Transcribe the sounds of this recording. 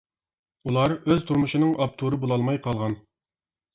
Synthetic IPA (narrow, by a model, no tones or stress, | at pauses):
ulˠɑɾøzt̪ʰuɾmuʃɨnɨŋʔɑp̚t̪ʰuɾɨbolˠɑlˠmɑjqʰɑlˠʁɑn